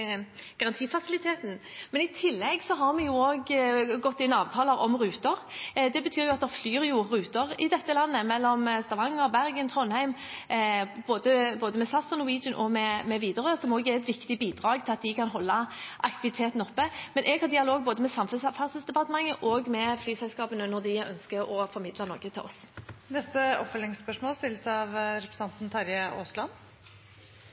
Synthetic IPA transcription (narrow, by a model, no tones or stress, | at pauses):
ɡ̥ɑʁɑnt̪ʰiːfɑsɪlɪt̪ʰeːt̪n̩mɛnɪt̪ʰɪlːɛɡsɔɦɑʁmɛjʊoːɡɡɔt̪ːɪnɑːʋt̪ʰɑːləɾɔ̰mʁʉːt̪əʁd̪ɛbət̪ʰyːʁjʊɑt̪̚d̪ɛflyːɾjʊʁʉːt̪əʁɪd̪ɛt̪ːəlɑnːəmɛlːɔmst̪ɑʋɑŋːəɾbæʁɡənt̪ʰʁɔnhæɪm | b̥oːd̪əboːd̪əmɛsɑsʊnʊwiːd͡ʒənʔɔ̰mɛmɛʋiːd̪əʁəsɔmoːɡɛʁɛt̪ʋɪkt̪ɪbiːd̪ʁɑːɡt̪ʰɪlɑt̪̚d̪ɪkʰɑnɦɔlːɑʔɑ̰kt̪ɪʋɪt̪ʰeːt̪nəɔpːəmɛnʔɛɡhɑʁd̪ɪɑloːɡ̚boːd̪əmɛsɑmfʉsfɑʁsəsd̪ɛpɑt̪əmɑŋːəʔoːɡmɛflyːsɛlskɑːpənənɔʁd̪ɪœ̰nskəɔfɔʁmɪd̪lɑnɔʁɡət̪ʰɪlʔɔ̰snɛst̪əɔpfœlɪŋspœʂmoːlst̪ɪlːəsəɑʋɾɛpɾəsɑnt̪n̩t̪ʰɑɾjəʔo̰ːslɑn